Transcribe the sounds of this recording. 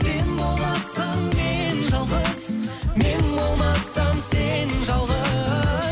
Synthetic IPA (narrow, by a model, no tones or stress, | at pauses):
se̞nbo̞lˠmɑsɑŋme̞nʒɑlˠʁəz̥me̞nbo̞lˠmɑsɑmse̞nʒɑlˠʁə